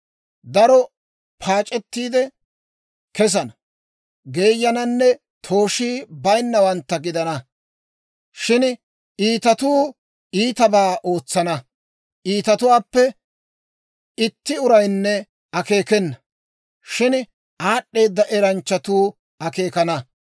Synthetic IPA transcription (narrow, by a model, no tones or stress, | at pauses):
d̪ɐɾɔ | pʰaːt͡ʃʼɛt̪ːiːd̪ɛ | kɛs̬ɐnɐ | ɡe̞ːjːɐnɐnːɛ | t̪ʰo̞ːʃiːbɐjnːɐwɐnt̪ːɐɡɪd̪ɐnɐ | ʃɪn | iːt̪ɐt̪uː | iːt̪ɐbaːʔo̞ːt͡sːɐnɐ | ʔiːt̪ɐt̪ʊwaːpːɛ | ɪt̪ːɪʊɾɐjnːɛ | ɐke̞ːkɛnːɐ | ʃɪn | ʔaːɗːe̞ːd̪ːɐʔɛɾɐnt͡ʃːɐt̪uː | ɐke̞ːkɐnɐ